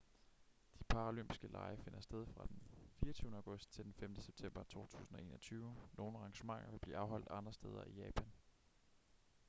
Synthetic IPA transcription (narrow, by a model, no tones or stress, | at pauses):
d̥ipʰɑ̈olømb̥i̥sɡ̥əlʔɑ̈ɪɐfe̝n̰ɐsd̥eð̞ˠfʁɑ̈d̥enfiːɐt͡sʰyːʊnəɑʊɡ̥ɔ̽sd̥̚t͡sʰe̝ld̥enfemd̥əseb̥̚t͡sʰem̰b̥ɐt͡sʰo̝̰ːt͡sʰṵːsn̩ɒ̽e̝̰ːnɐɒt͡sʰyːʊno̝ːn̩ʁɑ̈ŋɕəmɑ̈ŋ̰ɐʋe̝b̥lḭːɑ̈ʊɦɒ̽l̰d̥ɑ̈nd̥ʁɐsd̥eð̞ˠɐ̰ijɛːpʰæn